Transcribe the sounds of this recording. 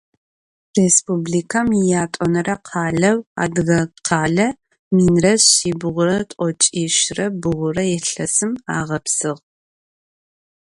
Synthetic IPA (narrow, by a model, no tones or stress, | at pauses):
respublikʰɐmjaːtʼɔnɐrʔɐqʰɑːɮɐwa̰ːdɨɣɐqʰɑːɮɐ | miːnrɐɕiːbɨʁʷʊrɐtʼɔt͡ʃʼiːʃɪrɐbɨʁʷʊrɐjɛɬɐsɨma̰ːʁɐpsɨʁ